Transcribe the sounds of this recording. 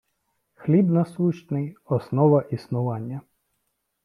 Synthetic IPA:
xlʲibnɐsuʃnɪjɔsnɔʋɐʔisnʊʋɑnʲːɐ

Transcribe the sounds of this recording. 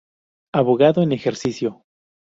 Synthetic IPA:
aβoɣaðoenexeɾsisjo̞

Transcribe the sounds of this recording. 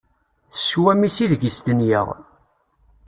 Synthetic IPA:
θəswæmisiðɡəst̪ənjə̰ʁ

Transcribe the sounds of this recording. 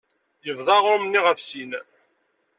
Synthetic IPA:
jəvðˤɑʁɾˤʊmnːiʁəfsin

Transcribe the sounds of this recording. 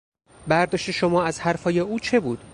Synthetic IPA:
bæɾd̪ɒːʃt̪e̞ʃomɒːæzhæɾfɒːjeuːt͡ʃʰe̞buːd̪̥

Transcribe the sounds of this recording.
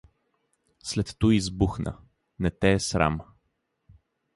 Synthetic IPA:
slɛt̪ːuizbuxnə̰ | nɛt̪ɛːsɾa̰m

